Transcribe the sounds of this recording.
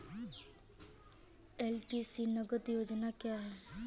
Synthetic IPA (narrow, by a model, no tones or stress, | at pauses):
ɛːlʈiːsiːnəɡəd̪joːd͡ʒnaːkjaːɦɛː